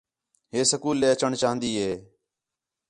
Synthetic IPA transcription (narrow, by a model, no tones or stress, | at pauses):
ɦeːsəkuːlːeːət͡ʃəɳt͡ʃaːɦə̃nd̪iːɦeː